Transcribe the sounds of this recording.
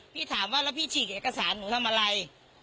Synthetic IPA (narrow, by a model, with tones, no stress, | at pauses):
pʰiː˥˩t̪ʰaː˩˦mwaː˥˩laː˦˥˩pʰiː˥˩t͡ɕʰiː˨˩k̚ʔeː˨˩ka˧saː˩˦nːuː˩˦t̪ʰa˧mʔa˧ɾa˧j